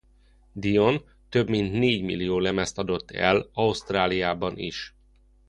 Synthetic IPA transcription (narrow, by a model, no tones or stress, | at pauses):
d̪ijo̞n | t̪ø̞bmint̪neːɟmḭlːijoːlɛmɛst̪ɒd̪o̞t̪ːɛ̰lɒust̪raːlijaːbɒnḭʃ